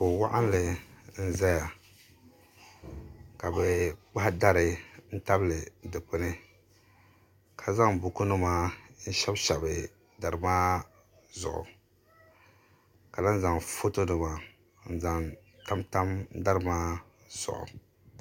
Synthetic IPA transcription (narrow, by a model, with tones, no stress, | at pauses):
ko˨wa˦ʔa˦n˦lɨ˨n̩˦zɛ˦ja˨ | ka˨bɛ˨k͡pa˦hda˦ɾɨ˨n̩˦ta˦blɨ˨dɨ˨k͡pɨ˦nɨ˦ | kʰa˨za˦ŋbu˨ko˦no˦maː˦n̩˦ʃɛ˦bʃɛ˨bɨ˨ | da˨ɾɨ˨maː˦ | zʊ̰˨ʔʊ̰˨ | ka˨la˦n˦za˨ŋfo˦to˦nɨ˨ma˨˦ | n̩˨za˨ŋ | ta˦mta˦m˦da˦ɾɨ˨maː˦ | z̥ʊ̰˨ʔʊ̰˨